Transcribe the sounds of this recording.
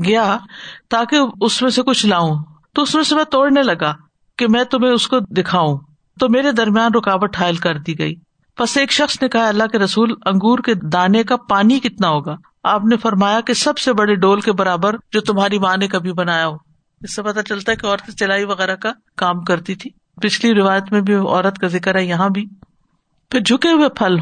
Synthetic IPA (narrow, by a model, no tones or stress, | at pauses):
ɡɐjat̪aːkeʊsmẽsekʊt͡ʃʰlaːũt̪oʊsmẽsemɛ̃ːt̪oːɽnelɐɡaː | kemɛ̃ːt̪ʊmẽʊskod̪ɪkʰaːũ | t̪omeːɾed̪ɐɾmijaːnɾʊkaːʋət̪ɦaːɪlkɐɾd̪iɡɐḭː | pɐseːkʃɐxsnekɐɦaɐlːaɦkeɾɐsuːlɐ̃ŋɡuːɾked̪aːnekapaːnikɪt̪naɦoːɡaː | aːpnefɐɾmaːjakesɐbsebɐɽeɖoːlkebɐɾaːbəɾd͡ʒoːt̪ʊmɦaːɾimaːnekabʱibɐnaːjaɦoː | ɪsːepɐt̪at͡ʃɐlt̪aɦɛkeɔːɾt̪ẽt͡ʃɐlaːiʋɐɣɛːɾaka | kaːmkɐɾt̪it̪ʰiː | pɪt͡ʃʰliɾɪʋaːjət̪mẽbʱiɔ̰ːɾət̪kazɪkəɾɦɛjɐɦãbʱiː | pʰɪɾd͡ʒʱʊkeɦʊepʰɐl